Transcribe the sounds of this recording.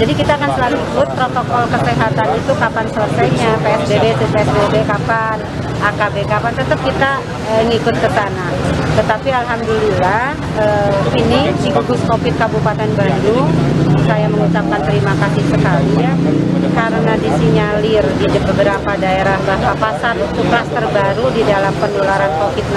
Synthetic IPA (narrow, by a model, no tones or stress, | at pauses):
d͡ʒadikit̪aːkant̪əlaluikʊt̪̚pɾot̪okɔlkəseɦat̪anit̪ukapansələsajɲapeɛsbebet̪upeɛsbebekapan | akabekapant̪ət̪əp̚kit̪a | əŋikʊt̪̚kət̪anaht̪ət̪apialɦamdulilah | əːinidikəɡʊskofɪt̪̚kabupat̪ɛnbandusajaməŋut͡ʃap̚kant̪əɾimakasɪhsəkali | kaɾənadisiɲalirdidibəbəɾapadaeɾahbahpapasat̪it̪uklast̪ərbaɾudidalampəndolaɾankofɪt̪̚n